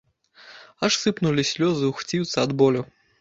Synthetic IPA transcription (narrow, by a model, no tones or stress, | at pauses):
aʂsɨpnulʲisʲlʲɔzɨwxt͡sʲiwt̪sɐɐd̪bɔlʲu